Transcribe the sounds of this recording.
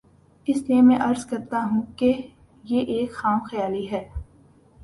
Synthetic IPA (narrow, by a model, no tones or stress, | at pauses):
ɪsliemɛ̃ʔɐɾzkɐɾt̪aɦũːke | jeʔeːkxaːmxɐjaːliɦɛː